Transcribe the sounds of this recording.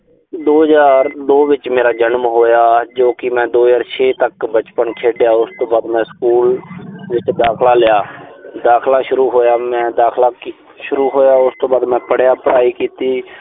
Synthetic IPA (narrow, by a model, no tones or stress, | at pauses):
d̪oːɦəzaːɾd̪oːʋɪt͡ʃmeːɾaːd͡ʒənmɦoːjaːd͡ʒoːkɪmɛ̃ːd̪oːɦzaːɾt͡ʃʰeːt̪əkbət͡ʃpənkʰeːɖɪjaːʊst̪õːbaːd̪mɛ̃ːskuːlʋɪt͡ʃd̪aːkʰlaːlɪjaːd̪aːkʰlaːʃʊɾuːɦoːjaːmɛ̃ːd̪aːkʰlaːk | ʃʊɾuːɦoːjaːʊst̪õːbaːd̪mɛ̃ːpəɽjaːpəɽaːiːkiːt̪iː